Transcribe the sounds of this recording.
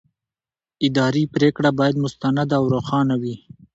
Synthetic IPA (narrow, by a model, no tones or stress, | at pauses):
ɪd̪ɑɾipɾekɽabɑjad̪mʊst̪anad̪aawɾoxɑnawi